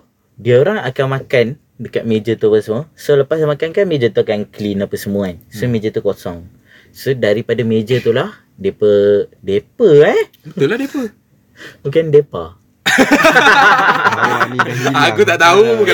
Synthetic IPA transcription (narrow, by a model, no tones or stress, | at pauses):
diəoɾaŋakamakan | dəkat̪̚med͡ʒət̪upəsəmuəsoləpasmakankanmẽd͡ʒət̪uakanklinapəsəmuansomẽd͡ʒət̪ukosɔŋ | sodaɾipadamed͡ʒət̪ulah | depədepəɛ | bət̪ulahdepə | bukandepa | akut̪aʔt̪auk